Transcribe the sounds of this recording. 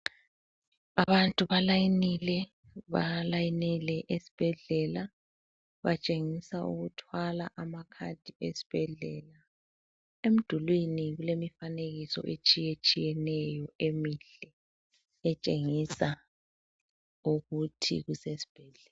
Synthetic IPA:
aβantʼuβalajinilɛ | βa̰lajinilɛʔesi̥b̥ʱɛɮɛla | βat͡ʃʼeŋisaṵɣutʰwala̰ʔamakʰa̰d̥ʱiesi̥b̥ʱɛɮɛ̰ːla | em̩d̥ʱulwiniɣulemifaneɣisɔ̰ʔet͡ʃʼijet͡ʃʼijɛnɛjɔemiɬɛ | ɛt͡ʃʼeŋisa | uɣutʰḭɣusesi̥b̥ʱɛɮɛl

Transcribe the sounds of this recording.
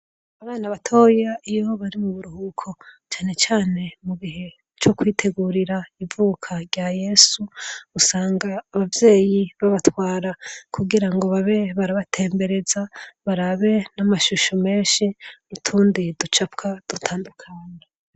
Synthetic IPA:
aβaːnaβatʰo̞ːjaijoβaɾimuβuɾuhukʰo̞t͡ʃaːne̞t͡ʃaːne̞muβiɦe̞ | t͡ʃo̞kwiːtʰe̞ɡuːɾiɾaivuːkʰaɾɟaːje̞ːsuusaːŋɡaːβavje̞ːjiβaβatwaːɾakʰuɡiɾaŋɡo̞βaβe̞βaɾaβatʰe̞ːmbe̞ɾe̞zaβaɾaβe̞namaʃuʃome̞ːnʃimutʰuːndidut͡ʃap̚kʰad̥utʰaːndukʰaːɲe

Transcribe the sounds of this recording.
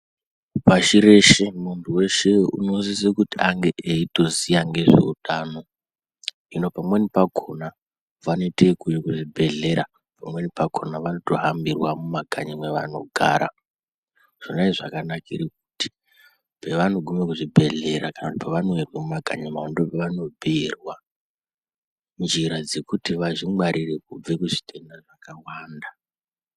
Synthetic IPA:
paʃiɾe̞ʃemuntʰuwe̞ʃeṵnozisekutiaŋɡe̞ʔeito̞zijaŋɡe̞ʐe̞̰utʰaːno̞ | ino̞pamwe̞nipakʰo̞na | ʋano̞itekujekuʐibʱe̞ɮe̞ɾa̰ | pamwe̞nipakʰo̞naʋano̞to̞ɦambirwamumaɡʱa̰ɲimwe̞ʋano̞̰ɡʱa̰ːɾa̰ | ʐ̥onaiʐakanakiɾek̚uti̥ | peʋano̞ɡʱumekuʐibʱe̞ɮe̞ɾakanakuti̥paʋanowerwemumaɡʱa̰ɲimaondopeʋanobʱerwa | mund͡ʒiɾad͡ze̞kutiʋaʐimwaɾʔire̞kub͡vekuʐi̥tʰenaʐakawaːnda

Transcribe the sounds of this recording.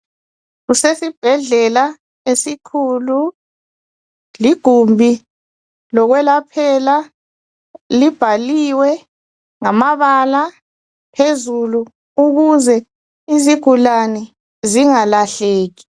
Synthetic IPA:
ɣusesib̥ʱɛɮɛla | esikʰulu | liɡ̥ʱumbʱi | lɔɣwɛlapʰɛla | lib̥ʱaliwɛ | ŋamaβala | pʰezulu | uɣuzɛ | iziɡ̥ʱulanɛ | ziŋalaɬeːɣi̥

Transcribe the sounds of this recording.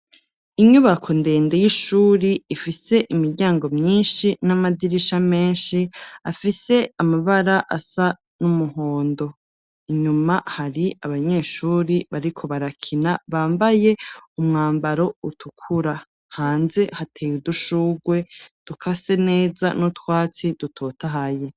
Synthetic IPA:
iɲuβakʰonde̞ːnde̞jiʃuːɾiifise̞ʔimiɾɟaːŋɡo̞mɲiːnʃinamadiɾiʃame̞ːnʃiafise̞amaβaɾaʔasa | numuho̞ːndo̞ | iɲumahaɾiaβaɲe̞ːʃuːɾiβaɾikʰo̞βaɾakʰinaβaːmbaje̞umŋaːmbaɾo̞utʰukʰuɾa | haːnze̞hatʰeːjuduʃuːɡwe̞d̥ukʰase̞ne̞ːza̰nutwaːt͡sid̥utʰo̞ːtaɦaje

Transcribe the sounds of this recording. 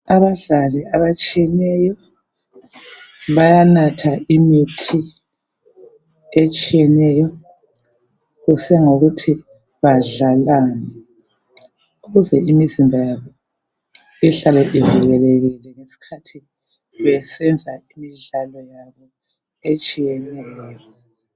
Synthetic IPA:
aβaɮaliaβat͡ʃʼijɛnɛjɔ | βajanatʰaʔimitʰi | et͡ʃʼijɛnɛjɔ | ɣusɛŋoɣutʰi | βaɮalaːnɛ | uɣuzɛimizimbʱajaβɔ | iɬalɛʔiviɣɛleɣilɛŋesi̥kʰatʰi | βɛsɛnd͡zʱaimiɮalɔjaβɔ | et͡ʃʼijɛnɛːjɔɔ

